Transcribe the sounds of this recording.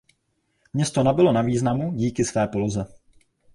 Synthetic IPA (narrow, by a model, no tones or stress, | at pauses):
mɲɛst̪o̞nabɪlo̞naviːznamuɟiːkɪsvɛːpolozɛ